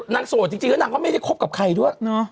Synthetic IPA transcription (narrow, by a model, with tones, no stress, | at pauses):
naː˨˧˥ŋso˨˩t̪̚t͡ɕi˧ŋt͡ɕi˧ŋlɔː˦˥naː˨˧˦kɔ˥˩ma˥˩jda˥˩jkʰo˦˥p̚ka˨˩p̚kʰa˧jdu˥˩əjnɔ˦